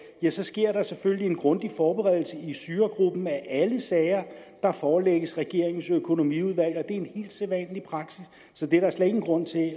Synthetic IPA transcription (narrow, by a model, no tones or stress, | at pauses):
jæsɒ̽sɡ̥e̝ɐ̰ɾ̥ɑ̈seføllie̝nɡ̥ʁɔ̽nd̥ifɒːb̥eʁɛð̰ˠl̩səisyːɐɡ̥ʁub̥n̩æʔæləsɛɪɐd̥ɑ̈fɒːleɡ̥əsʁɛɡ̥e̝ɐ̰e̝ŋsøkʰo̝no̝mḭuð̞ˠʋæl̰ɒ̽d̥e̝æɐenhe̝̰ːld̥seʋɛ̰ːnlipʰʁɑ̈ɡ̥sisː | ɒ̽d̥eɐɾɑ̈æɐslɛðeŋn̩ɡ̥ʁɔ̽n̰t͡sʰe̝